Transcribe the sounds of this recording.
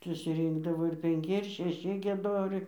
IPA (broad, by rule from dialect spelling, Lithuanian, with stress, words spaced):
sʊsʲɪˈrʲiːŋɡdɐʋoː ɪr pʲɛŋʲˈkʲɪ ɪr ʃʲɛˈʃʲɪ ɡʲiɛˈdoːrʲɛɪ